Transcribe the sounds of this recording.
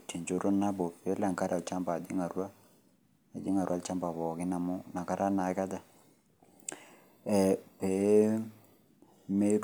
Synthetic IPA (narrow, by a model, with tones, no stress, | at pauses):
ti˨nd͡ʒo˦ɾo˦na˦bo˨pe˨˦la˨ŋka˦ɾa˨t͡ʃa˦mba˨di˦ŋa˨ɾwa˦ | a˨d͡ʒi˦ŋa˨ɾwa˦lt͡ʃa˦mba˨bɔ˨kɪ˦na˨mu˦na˨ka˦ɾa˦na˨˦ka˦da˨ | ɛ˨pe˨˦ | me˦